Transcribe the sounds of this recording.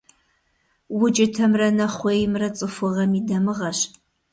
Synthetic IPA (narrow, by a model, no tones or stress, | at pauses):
wʊt͡ʃʼɪtʰɐmrɐnɐχʷeːjmrɐt͡sʼɨfʷʊʁɐmidɐmɨʁɐɕ